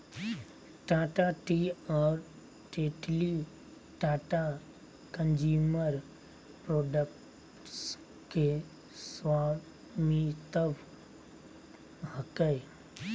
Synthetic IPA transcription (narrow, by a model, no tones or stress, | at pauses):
ʈaːʈaʈiɔːɾ | ʈeʈli | ʈaːʈa | kə̃nd͡ʒuːməɾ | pɾoːɖək | ʈs | ke | swaː | mit̪əʋ | həkəj